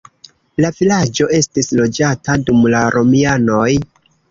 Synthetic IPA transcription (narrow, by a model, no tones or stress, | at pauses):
lavilad͡ʒo̞ʔe̞stislo̞d͡ʒatadumlaɾʔo̞miano̞j